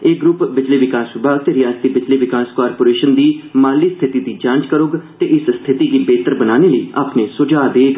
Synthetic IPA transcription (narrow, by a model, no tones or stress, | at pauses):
eːɡɾʊpbɪd͡ʒliːʋɪkaːsʋɪbʱaːɡ̚t̪eːɾɪjaːzt̪iːbɪd͡ʒliːʋɪkaːskaːɾpoːɾeːʃənd̪iːmaːliːst̪ʰɪt̪iːd̪iːd͡ʒãːnt͡ʃkəɾʊɡt̪eːʔɪsst̪ʰɪt̪iːɡiːbeːt̪əɾbənaːneːləiːʔaːpneːsʊd͡ʒaːd̪eːɡ